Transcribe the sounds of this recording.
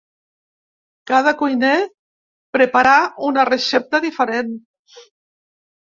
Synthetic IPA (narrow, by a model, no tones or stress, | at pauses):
kað̞akujne | pɾepaɾaunaresɛp̚t̪aðifeɾen